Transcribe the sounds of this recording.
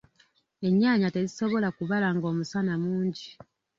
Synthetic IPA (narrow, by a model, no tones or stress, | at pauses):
e̞ɲːaːɲate̞ziso̞βo̞lakuβalaːŋɡo̞ːmusanamuːɲɟi